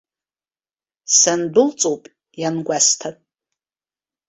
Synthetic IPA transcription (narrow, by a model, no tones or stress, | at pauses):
sanbɨlt͡sʼowpʼ | janɡʷastʰatʼ